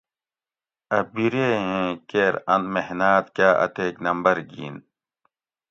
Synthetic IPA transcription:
ɐbiɾeːɦẽkeːɾɐnmehnaːt̪kaːʔɐ̰t̪eːknɐmbɐɾɡḭːn

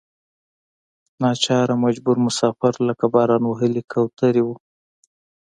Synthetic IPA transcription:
nɑt͡ʃɑɾamad͡ʒbʊɾmʊsɑfɪɾləkabɑɾɑnwaɦəlikʰawt̪aɾiwu

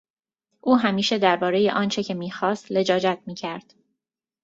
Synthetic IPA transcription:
ʔuːɦæmiːʃe̞d̪æɾbɒːɾe̞jḛʔɒːnt͡ʃʰe̞cʰe̞miːxɒːst̪le̞d͡ʒɒːd͡ʒæt̪̚ʰmiːcʰæɾd̪̥

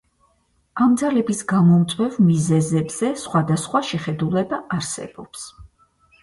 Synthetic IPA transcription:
amd̪zalɛbisɡamɔmt̪sʼwɛvmizɛzɛbz̥ɛsχwad̪asχwaʃɛχɛd̪ulɛbaʔaɾsɛ̰bɔps

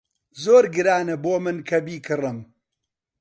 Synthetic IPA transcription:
zoːɾɡɨɾaːnɐboːmɨnkʰɐbiːkʰɨrɨm

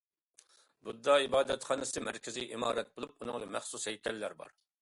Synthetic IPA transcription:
bud̪ːɑibɑːd̪ɛt̪χɑːnɨsɨmæɾkʲʰɪziʔimɑːɾɛt̪̚bolˠup̚unɨŋlˠɨmæχsushɛjkʲʰɛlːæɾbɑ̰ɾ

